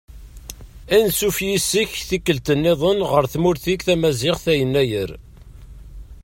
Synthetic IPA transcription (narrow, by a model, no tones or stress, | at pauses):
ænsufjisːiçθikːəlt̪ənːeðˤənʁəɾθmʊɾθikθæmæzɪʁθæjənːæjəɾ